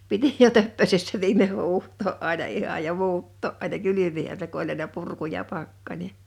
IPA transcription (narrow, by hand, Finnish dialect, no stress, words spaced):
piti jo tøpːøsesːæ ʋiːmeh̆ huːhtˑoːʔ ʔɑˑinɑ ihɑj jɑ muːtːoˑʔ ʔɑˑinɑ kylymihæ se ku olʲ ɑinɑ purku jɑ pɑkːɑnʲe